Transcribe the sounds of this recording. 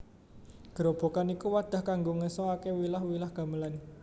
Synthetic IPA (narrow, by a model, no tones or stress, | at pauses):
ɡ̥əɾob̥o̤kanikuwad̪̥a̤hkaŋɡoŋəsɔakewilahwilahɡ̥a̤məlan